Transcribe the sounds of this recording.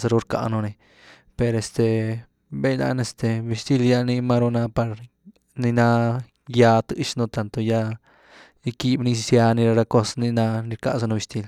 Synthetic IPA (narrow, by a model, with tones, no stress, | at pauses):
sa˧ɾu˧ɾka̰˧no˧ni˧ | pe˧ɾe˧st̪e˧ | be˦jna̰˧˦ne˧st̪e˧bi˧st̪i˧lja˧ni˧ma˧ɾo˧na˧pa˧ɾ | ni˧na˧ | ja˧t̪ɨ˧ʃno˧t̪a˨nt̪o˧ja˧ | i˧ki˧bni˧sja˧ni˧ɾa˧ɾa˧ko˦sni˧na˧ni˧ɾka̰˧ʔsa˧no˧bi˧st̪i˧l